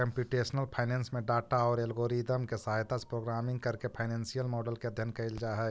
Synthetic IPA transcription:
kə̃mpjuʈeːsnəlpʰaːɪnɛ̃ːnsmẽɖaːʈaɔːɾelɡoːɾid̪əmkesɐɦaːjt̪ase̥pɾoːɡɾaːmɪ̃ŋɡkɐɾkepʰaɪnɛ̃ːnsijəlmɔːɖəlkeɐd̪ʱjənkɐɪld͡ʒaɦɛː

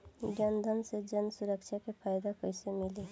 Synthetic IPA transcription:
ɡjaːnd̪ʱənsed͡ʒənsʊɾəkʃʰakepʰaːjd̪akəɪsemɪle

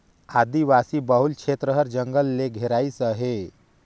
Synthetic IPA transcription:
ad̪iʋasiːbəɦulkʰet̪ɾəɦəɾd͡ʒəŋɡəlːeɡʱeɾaisəɦe

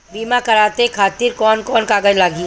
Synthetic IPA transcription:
biːmakɐɾaːt̪ekʰaːt̪ɪɾkɔːnkɔːnkaːɡəd͡ʒlaːɡiː

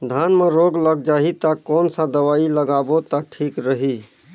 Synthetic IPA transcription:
d̪ʱanmeɾoɡləɡ̚d͡ʒaɦit̪akɔːnsad̪əʋailəɡabot̪aʈʰiːkɾəɦi

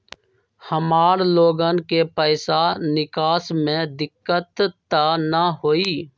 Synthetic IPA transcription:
həmaːɾloːɡənkepəɪsanɪkaːsmẽd̪ɪkːət̪t̪ːanəɦoːiː

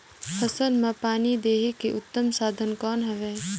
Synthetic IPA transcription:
fʰɐsəlmãpaːnid̪eːɦekeʔʊt̪ːəmsaːd̪ʱənkɔːnɦɛʋeː

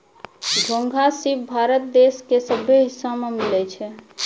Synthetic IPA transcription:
d̪ʱoŋɡʱasibbʱaɾət̪̚d̪eskesəbʱjeɦisːamemilɛt͡ʃʰɛ

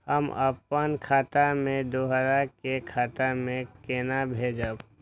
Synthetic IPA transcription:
həmə̰pənkʰaːt̪amẽd̪oːɦəzaɾkekʰaːt̪amẽkeːnabʱeːd͡ʒəb

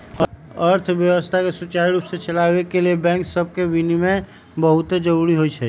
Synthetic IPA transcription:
əɾt̪ʰbjəwəst̪ʰakesut͡ʃaiɾupsẽt͡ʃəlaʋekeliebɛ̃ŋksəb̚ʱkebinime | bəɦut̪ed͡ʒəɾuɾiɦojt͡ʃʰɛ

